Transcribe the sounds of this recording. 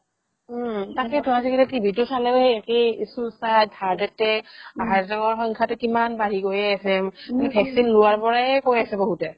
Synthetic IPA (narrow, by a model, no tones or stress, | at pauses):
takɛtɔasɛkɛlɛtibʱitʊsalɛhejɛkejsusadʱaɹdɛtɛaɦazɔɡaɹxɔŋkʰatʊkimanbaɦiɡojɛasɛmalipʰɛksinlʊwaɹpɔɹaɛkojasɛboɦutɛ